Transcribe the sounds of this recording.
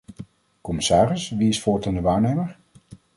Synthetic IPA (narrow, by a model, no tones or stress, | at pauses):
kɔmɪsaːrɪsʋiɪsfɔːɹtandəʋaːɹnejməɹ